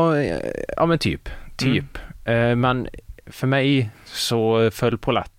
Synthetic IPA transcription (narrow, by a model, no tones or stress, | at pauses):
jɑ̰ːmɛnt̪ʰy̰ːpt̪ʰyːpmɛnfœɾmæɪsɔfœlpʰʊlɛ̰t̪ː